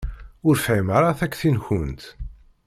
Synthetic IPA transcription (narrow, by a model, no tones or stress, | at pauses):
ʊɾfʕiməɾˤaθækːθinçʊnt̪